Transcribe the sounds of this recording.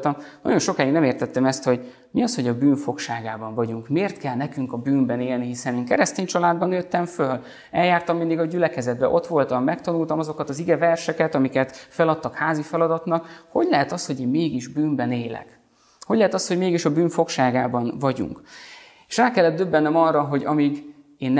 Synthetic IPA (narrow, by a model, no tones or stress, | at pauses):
t̪ɒmnɒ̰ɟo̞nʃo̞kaːjiɡnɛmeːrt̪ɛt̪ːɛmɛst̪ho̞ɟ | miɒsho̞ɟɒbyːɱfo̞kʃaːɡaːbɒɱvɒɟuŋkmeːrt̪kɛlnɛkyŋkɒbyːmbɛneːlniɦisɛneːŋkɛɾɛst̪eːɲt͡ʃɒlaːd̪bɒnjøt̪ːɛɱføl | ɛljaːrt̪ɒmːind̪iɡɒɟylɛkɛzɛd̪̚bɛ̰ʔo̞t̪ʋo̞lt̪ɒmːɛkt̪ɒnult̪ɒmɒzo̞kɒt̪ɒziɡɛvɛrʃɛkɛt̪ɒmikɛt̪fɛlɒt̪ːɒkhaːzifɛlɒd̪ɒt̪nɒkho̞ɟlɛɦɛt̪ɒsho̞ɟeːmmeːɡiʒbyːmbɛneːlɛ̰k | ho̞ɟlɛɦɛt̪ɒsho̞ɟmeːɡiʃɒbyːɱfo̞kʃaːɡaːbɒnvɒɟṵŋk | eːʃraːkɛlːɛd̪d̪øbːɛnːɛmɒrːɒɦo̞ɟɒmiɡ | eːnː